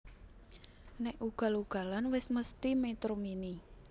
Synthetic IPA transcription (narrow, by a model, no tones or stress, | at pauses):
nɛʔuɡ̥a̤luɡ̥ä̤lanwɪsməst̪imet̪ɾomini